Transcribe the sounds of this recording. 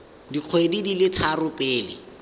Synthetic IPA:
diq͡χʰwedidilɪt͡sʰarʊpʼɪːlɪ

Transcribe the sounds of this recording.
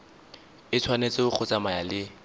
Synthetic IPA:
ɪt͡sʰwanet͡sʼɪʊk͡xʰʊt͡samajalɪ

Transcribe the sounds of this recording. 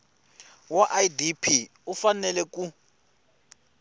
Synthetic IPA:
waʔaidipʰi | ufanɛlɛk̬u

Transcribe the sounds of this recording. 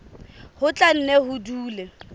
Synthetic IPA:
hʊt͡ɬʼan̩nɛɦʊduːlɛ

